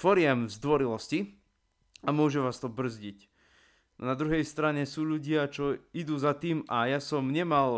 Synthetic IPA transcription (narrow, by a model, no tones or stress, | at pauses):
fɔɾɪɛmzd̪ʋɔɾilɔsci | amʊɔʒɛʋaːst̪ɔbr̩zɟic | nad̪ɾuɦɛjst̪ɾaɲɛsuːʎuɟɪat͡ʃɔid̪uːzat̪iːmajasɔmɲɛmal